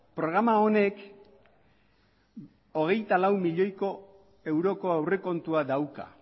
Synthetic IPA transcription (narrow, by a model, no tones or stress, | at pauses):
pɾo̞ɣ̞ɾamaone̞k | o̞ɣ̞e̞jt̪alawmiʎo̞jko̞ | e̞wɾo̞ko̞awre̞ko̞nt̪uad̪awka̰